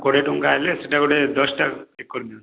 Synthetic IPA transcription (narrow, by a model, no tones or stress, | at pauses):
koɽeʈoŋkaeleseʈakoɽed̪ɔsʈaekːoɾd̪on